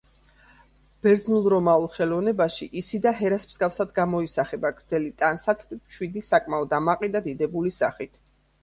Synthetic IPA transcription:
b̥ɛɾd̪znulˠɾɔmaulˠχɛlɔvnɛbaʃiʔisid̪aɦɛɾasmz̥ɡafsad̪ɡamɔisaχɛbaɡɾd̪zɛlit̪ʼansat̪sʰχlit̪̚ʰmʃwid̪isakʼmaɔd̪amaqʼid̪ad̪id̪ɛbulisa̰χit̪ʰ

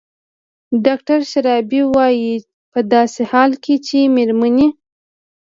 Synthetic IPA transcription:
ɖɑk̚ʈaɾʃaɾɑbiwɑji | pəd̪ɑsehɑlket͡ʃemeɾmani

